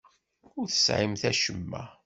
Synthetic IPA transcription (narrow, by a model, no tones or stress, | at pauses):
ʊɾθə̥sʕimθæʃəmːæ̰